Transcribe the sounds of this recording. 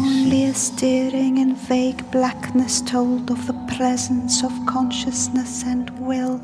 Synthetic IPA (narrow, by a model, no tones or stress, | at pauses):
liəstɛːɹɪ̃ŋɨ̃nveɪɡblaknɨstʰoʊlˠdʌvðəpʰɹ̥ɛzə̃n̩sʌv̥kʰɑ̃nʃəsnəsə̃nwɪlˠ